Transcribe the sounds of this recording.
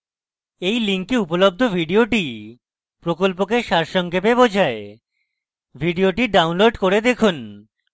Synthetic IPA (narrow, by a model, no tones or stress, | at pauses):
ejliŋkeupolob̚d̪ʱobʱiɖioʈi | pɾokolpokeʃaɾʃɔŋkʰepebod͡ʑʱae | bʱiɖioʈiɖawnloɖkoɾed̪ekʰun